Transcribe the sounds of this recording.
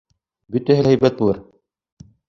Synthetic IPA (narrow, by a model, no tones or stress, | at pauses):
bɵt̪æɦɘlhæjbæt̪̚bulˠɤɾ